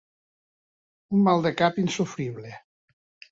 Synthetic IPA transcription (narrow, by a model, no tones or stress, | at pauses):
unmalˠd̪əkapinsufɾiβle